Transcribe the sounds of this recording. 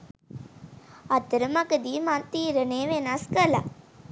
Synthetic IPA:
ɐt̪ːəɾəmɐkəd̪imant̪iːɾəneːʋenaskɐla

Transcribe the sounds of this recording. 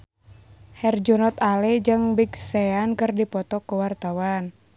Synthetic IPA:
hɛrd͡ʒɔnɔt̪alid͡ʒɨŋbiksɛankɨrdipɔt̪ɔkuwart̪awan

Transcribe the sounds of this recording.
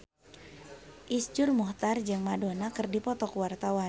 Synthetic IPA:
ʔisd͡ʒʊrmɔht̪ard͡ʒɨŋmadonakɨrdipɔt̪ɔkwart̪awa

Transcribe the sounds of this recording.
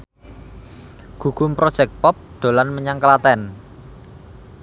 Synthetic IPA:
ɡ̥ṳɡ̥ʊmpɾod̥ʒ̥ɛk̚t̪̚pɔp̚d̪̥o̤lanməɲaŋkəlat̪ɛn

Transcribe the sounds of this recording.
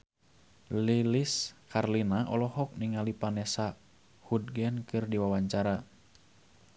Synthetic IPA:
liliskʰarlinaʔɔlɔhɔk̚niŋalipanɛsa | hud̚ɡɛnkɨrdiwawaɲt͡ʃaɾa

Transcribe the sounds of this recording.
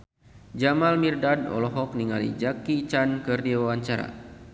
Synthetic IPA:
d͡ʒamalmirdadɔ̰lɔɦɔk̚niŋalḭd͡ʒakit͡ʃankɨrdiwawaɲt͡ʃaɾa̰

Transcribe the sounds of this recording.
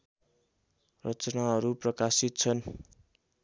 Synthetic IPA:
rʌt͡sʌnaɦʌɾuprʌkasit̪̚t͡sʰʌn

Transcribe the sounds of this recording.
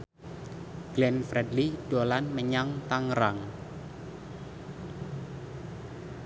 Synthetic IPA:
ɡ̥lɛnfɾɛdlid̥olanməɲaŋt̪aŋɾaŋ

